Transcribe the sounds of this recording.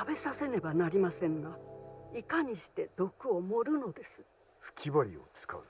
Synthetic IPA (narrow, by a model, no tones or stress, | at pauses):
abe̞sase̞ne̞banaɾʲimasẽ̞ŋɡaikaɲ̟iɕi̥t̪e̞d̪̥o̞kɯo̞mo̞ɾɯ̟no̞d̪e̞sɨ̥ | ɸɯ̥kʲiboɾʲio̰t͡sɨ̥ka̰ɯ̟